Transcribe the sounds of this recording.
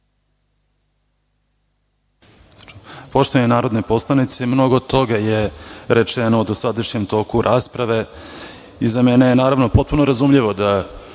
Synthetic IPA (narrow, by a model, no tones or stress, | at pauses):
po̞ʃt̪oaɲenaːɾod̪nepo̞slˠanit̪semno̞ɡot̪o̞ɡajeɾet͡ʂenoud̪osad̪aʂɲemt̪o̞ːkuɾʔaːspɾaʋe̞ | izamenejenaːɾaʋno̞po̞t̪̚puno̞ɾazumʎiʋo̞d̪a